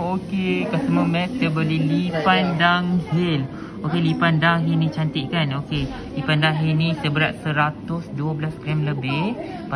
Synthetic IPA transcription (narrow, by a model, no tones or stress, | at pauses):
okekaʔsəmumɛ̃t̪̚sjabolihlipandaŋhɪl | okelipandaŋɦilnĩt͡ʃant̪ɪʔ̪̚kanoke | lipandaŋɦilnĩsəbəɾaʔ̪̚səɾat̪ʊsduəbəlaskɾɛmləbɪh | pa